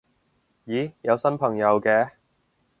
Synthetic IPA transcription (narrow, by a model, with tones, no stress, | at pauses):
jiː˨˥˦jɐ˨˧wsɐ˥npʰɐ˨˩ŋjɐ˨˧wkɛː˧